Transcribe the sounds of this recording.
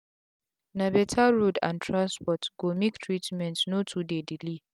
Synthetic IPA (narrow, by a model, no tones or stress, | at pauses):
nabɛtʰaɹudã̰ntʰɹãnspɔtɡ̥omiktʰɹitmɛ̃ntnotʰudedili